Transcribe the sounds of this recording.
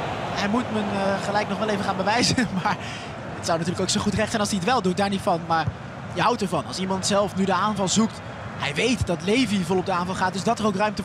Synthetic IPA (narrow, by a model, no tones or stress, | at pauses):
ɛmutmənχəlɛjknɔχʋɛlˠejvəχaːnbəʋɛjzəmaːɹ | ətsawnatyːɹləkowksoχutrɛχtsɛjnɑlsdiətʋɛlˠdut̚daːɹnitfɑnmaːɹ | jəɦawtəɹvɑnɑ̰lˠsimɑntsɛlˠfnydəaːnvɑlˠzukt | ɦɛjʋejtdɑtlejvivɔlˠɔb̚dəaːnvɑlˠχaːtdɵsdɑtəɹowkrœɥmtə